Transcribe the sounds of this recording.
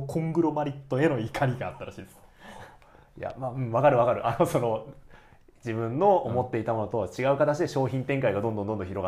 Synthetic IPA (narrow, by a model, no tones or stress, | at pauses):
kʰõ̞ŋɡɯ̟ɾo̞maɾʲit̪ːo̞e̞no̞ikʰaɾʲiɡaːt̪ːaɾaɕiːd̪es | ja̰maːɯ̟̃ɴβakaɾɯ̟βakaɾɯ̟ʔano̞so̞no̞ | d͡ʑibɯ̟̃nːo̞ːmo̞t̪ːe̞it̪amo̞no̞t̪o̞βat͡ɕiɡaɯ̟kat̪at͡ɕid̪e̞ɕo̞ːçĩnt̪ẽ̞ŋkaiɡad̪ond̪ond̪ondõçʲiɾo̞ɡa